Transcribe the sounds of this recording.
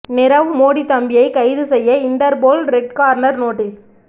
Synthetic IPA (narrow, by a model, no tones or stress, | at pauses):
nɪɾɐʋɯmoːɽit̪ːɐmbɪjɐɪkɐɪðɯsɛjːɐɪɳʈɐɾboːlɾɛɖ̚kaːɾnɐɾnoːʈːis